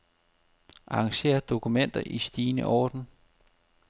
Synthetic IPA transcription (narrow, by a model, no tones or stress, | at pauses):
ʔɑ̈ːŋɕe̝̰ːɐd̥o̝kʰumen̰d̥ɐʔisd̥iːnə̰ʔɒːd̥n̩